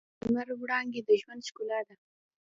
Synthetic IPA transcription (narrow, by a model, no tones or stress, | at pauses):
ənaɾwɽɑŋɡed̪əʒwand̪ʃkulɑd̪a